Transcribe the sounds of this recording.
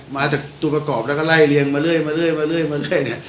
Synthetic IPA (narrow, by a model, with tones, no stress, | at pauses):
maː˧t͡ɕ̪aː˨˩k̚t̪uː˧˩pɾa˧kɔː˨˩p̚lɛ˦˥kɔ˥˩la˥˩jli˧əŋmaː˧lɯ˥˩əjmaː˧lɯ˥˩əjmaː˧lɯ˥˩əjmaː˧lɯ˥˩əjni˥˩ɐ